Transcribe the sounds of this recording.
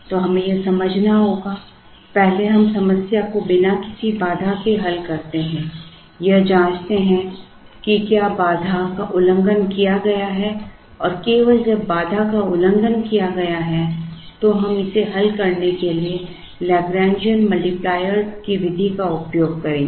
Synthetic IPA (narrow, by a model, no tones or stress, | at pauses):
t̪oːɦɐmẽjesɐməd͡ʒʱnaɦoːɡa | pɛɦleɦɐmsɐməsjakobɪnakɪ̥sibaːd̪ʱakeɦɐlkɐɾt̪eɦɛ̃ | jɐɦd͡ʒãːt͡ʃt̪eɦɛ̃ | kikjaːbaːd̪ʱakaʔʊlə̃ŋɡənkijaɡɐjaɦɛ | ɔːɾkeːʋəld͡ʒɐbːaːd̪ʱakaʊlə̃ŋɡənkijaɡɐjaɦɛ | t̪oɦɐmɪseɦɐlkɐɾnekelie | lɛːɡɾɛ̃ːnd͡ʒiənmɐlʈiplaːjəɾkiʋɪd̪ʱikaʊpjoːɡ̚kɐɾẽː